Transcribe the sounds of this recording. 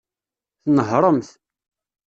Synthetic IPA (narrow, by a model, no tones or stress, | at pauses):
θnəɦɾˤəmθ